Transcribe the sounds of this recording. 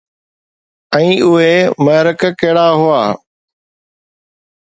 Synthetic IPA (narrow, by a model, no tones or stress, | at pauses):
ɛ̃ːʔʊɦeməɦɾəkkeɦɽaːɦʊaː